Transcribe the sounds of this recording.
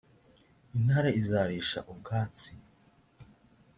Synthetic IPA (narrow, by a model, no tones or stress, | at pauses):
inhaːɾaizaːɾiːʃa̰ʔukaːt͡si